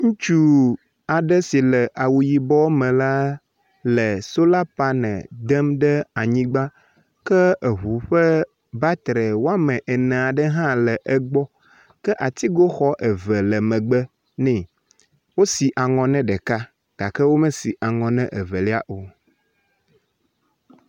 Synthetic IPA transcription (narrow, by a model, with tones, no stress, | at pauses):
ŋũ˦t͡ʃu˦ | a˨ɖə˦si˨lə˨ʔa˨wu˨ji˨bɔ˦mɛ̃˨la˦ | lə˨so˦la˦pa˦nɛ̰̃˨d̪ə˦mɖə˦a˨ɲĩ˦ɡ͡ba˦ | kə˦ə˨ɦu˨ɸə˦ | ba˦t̪ɾə˨wo˦a˦mɛ̃˨ʔe˨nɛ̃˨a˨ɖə˦ɦã˦lə˨ʔɛ˦ɡ͡bɔ˦ | kə˦ʔa˨t̪i˦ɡo˦xɔ˦ʔə˨və˨lə˨mɛ̃˨ɡ͡bə˦ | nɛ̃˦˨ | wo˦si˨ʔa˨ŋɔ̃˨nɛ̃˦ɖɛ˨ka˦ | ɡ̥a˨kə˦wo˦mɛ̃˦si˨ʔa˨ŋɔ̃˨nɛ̃˦ʔə˨və˨li˦a˦ʔo˨